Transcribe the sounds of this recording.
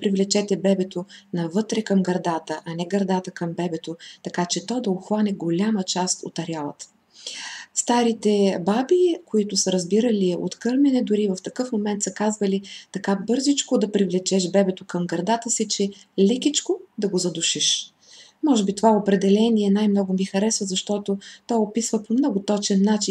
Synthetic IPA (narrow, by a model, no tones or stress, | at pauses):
pɾivlɛt͡ʃɛt̪ɛbɛbɛt̪onɐvɤt̪ɾɛkɐmɡɐɾd̪at̪əʔɐnɛɡɐɾd̪at̪əkɐmbɛbɛt̪ot̪ɐkat͡ʃɛt̪ɔd̪ɐoxvanɛɡolʲamət͡ʃast̪o̰t̪ɐɾʲjalˠə̰t̪ə̥ | st̪aɾit̪ɛbabikoit̪ʊsəɾɐzbiɾəlio̰t̪kɤɾmɛnɛd̪ʊɾivɐft̪ɐkɤfmomɛnt̪səkazvəlit̪ɐkabɤɾzit͡ʃkʊd̪ɐpɾivlɛt͡ʃɛʃbɛbɛt̪okɐmɡɾɐd̪at̪əsit͡ʃɛ | lɛkʲit͡ʃkod̪ɐɡozɐd̪ʊʃiʃ | mɔʒɛbit̪ovaopɾɛd̪ɛlɛniɛnajmnɔɡʊmixɐɾɛsvəzɐʃt̪ɔt̪ot̪ɔjopisvəpomnɔɡʊt̪ɔt͡ʃɛnːat͡ʃi